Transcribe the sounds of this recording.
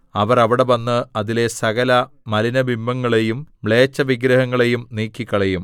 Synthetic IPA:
ɐʋɐrɐʋiɽe̞ʋɐnːɨɐðile̞sɐɣɐlɐ | mɐlinɐbʱimːɐŋːɐɭe̞jumʋɭe̞ːt͡ɕːɐʋiɡɾɐɦɐŋːɐɭe̞jumniːkːikʲːɐɭejum

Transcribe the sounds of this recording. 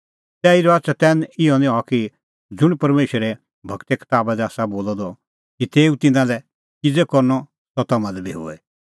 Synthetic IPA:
t̪ɛːiɾɔatsat̪ɛnɪɔnɪ̃ɔki | d͡zʊɽ̃pɐɾmeːʃɾɛ | bʱɐkt̪ɛkʰɪ̥t̪aːbad̪ɛaːsaboːlɔd̪ɔ | kit̪eːũt̪ɪnãlɛ | kid͡zɛkɔɾnɔ | sɔt̪ɐmãlɛbʱiɦo̰ɛ

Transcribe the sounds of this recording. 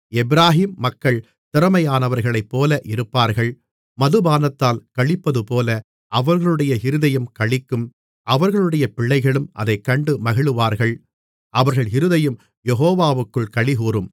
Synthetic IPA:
ɛbɪɾaːɦiːmːɐkːɐɭ | t̪ɪɾɐmɐjaːnɐʋɐɾɣɐɭɐɪpːoːlɐʔɪɾɯpːaːɾɣɐɭ | mɐðɯbaːnɐt̪ːaːlkɐɭɪpːɐðɯpoːlɐ | ʔɐʋɐɾɣɐɭɯɽɐjɐɪɾɯðɐjɯmkɐɭɪkːɯm | ʔɐʋɐɾɣɐɭɯɽɐjɐpɪɭːɐɪɣɐɭɯmʔɐ̰ðɐɪkːɐɳɖɯmɐɣɪɭɯʋaːɾɣɐɭ | ʔɐʋɐɾɣɐɭɪɾɯðɐjɯm | jɛɦoːʋaːʋɯkːɯɭkɐɭɪɣuːɾɯm

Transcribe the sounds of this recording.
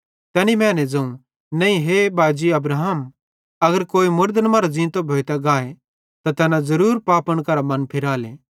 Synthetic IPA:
t̪ɛːnimɛ̃ːnɛd͡zɐ̃ũ | nɐĩɦebaːd͡ʒiɐbɾaːɦəm | ɐɡəɾkoːimʊɾd̪ənmaːɾazĩːt̪obʱoːt̪aɡaːe | t̪at̪ɛːnãzɐɾuːɾpaːpəɽ̃kɐɾamɐnpʰɪɾaːleː

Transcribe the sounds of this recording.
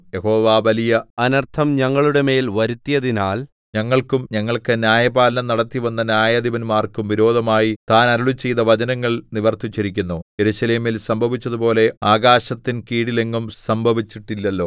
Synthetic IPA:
jeho̞ːʋaːʋɐlijɐɐnɐrt̪ʰɐmɲɐŋːɐɭuɽe̞me̞ːlʋɐɾut̪ːijɐðinaːl | ɲɐŋːɐɭkumɲɐŋːɐɭkɨnjaːjɐbaːlɐnɐmnɐɽɐt̪ːiʋɐnːɐnʲjaːjɐd̪iʋɐnmaːrkumʋiɾo̞ːd̪ʱɐmaːjit̪aːnɐɾuɭut͡ɕːe̞jt̪ɐʋɐd͡ʑɐnɐŋːɐɭniʋɐrt̪ut͡ɕːɐɾikʲːunːuje̞ɾuːɕɐleːmilsɐmbʱɐʋit͡ɕːɐðupo̞ːle̞aːɡaːɕɐt̪ːinkiːɽile̞ŋɡumsɐmbʱɐʋit͡ɕːiʈːilːɐlːo̞ː

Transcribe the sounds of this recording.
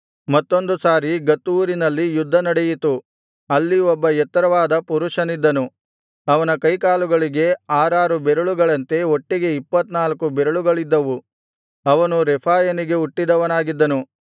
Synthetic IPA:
mɐt̪ːo̞nd̪usaːɾiɡɐt̪ːuːɾinɐlːijud̪ʱːɐnɐɽejit̪u | ɐlːiɔbːɐɛt̪ːɐɾɐʋaːd̪ɐpuɾuʂɐnid̪ːɐnu | ɐʋɐnɐkɐjkaːluɡɐɭiɡe̞aːɾaːɾubeɾɐɭuɡɐɭɐnt̪e̞o̞ʈːiɡe̞ipːɐt̪ːnaːlɐkubeɾɐɭuɡɐɭid̪ːɐʋu | ɐʋɐnuɾɛpʰaːjɐniɡe̞uʈːid̪ɐʋɐnaːɡid̪ːɐnu

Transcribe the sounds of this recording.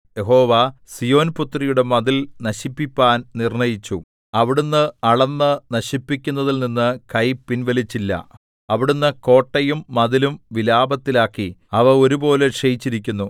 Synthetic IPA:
jeɦo̞ːʋasijo̞ːnput̪ːrijuɽe̞mɐðilnɐɕipːipʲːaːnnirɳɐjit͡ɕːu | ɐʋiɽunːɨɐɭɐnːɨnɐɕipːikʲːunːɐðilninːɨkɐjpːinʋelit͡ɕːilːɐ̰ | ɐʋiɽunːɨko̞ːʈːɐjumːɐðilumʋilaːbɐt̪ːilaːkːiɐʋɐo̞ɾubo̞ːleʂɐjit͡ɕːiɾikʲːunːu

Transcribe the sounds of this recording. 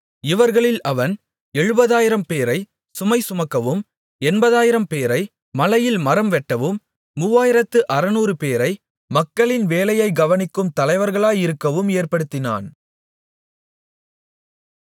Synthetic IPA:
ɪʋɐɾɣɐɭɪlʔɐʋɐn | ɛɻɯbɐðaːjɪɾɐmpeːɾɐɪ | sʊmɐɪsʊmɐkːɐʋɯm | ɛnbɐðaːjɪɾɐmpeːɾɐɪ | mɐlɐjɪlmɐɾɐmʋɛʈːɐʋɯmː | uʋaːjɪɾɐt̪ːɯʔɐɾɐnuːrɯpeːɾɐɪ | mɐkːɐɭɪnʋeːlɐjɐɪɡɐʋɐnɪkːɯmt̪ɐlɐɪʋɐɾɣɐɭaːjɪɾɯkːɐʋɯmeːrpɐɽɯt̪ːɪna̰ːn

